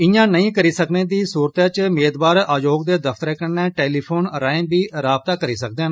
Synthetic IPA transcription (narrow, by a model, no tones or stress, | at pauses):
ɪjãːnəĩːkəɾiːsəkneːd̪iːsuːɾt̪jãːt͡ʃmeːd̪baːɾaːjoːɡd̪eːd̪əfʰt̪əɾɛːkənɛ̃ːʈeːliːpʰoːnɾaːẽːbiːɾaːb̚t̪aːkəɾiːsək̚d̪ẽ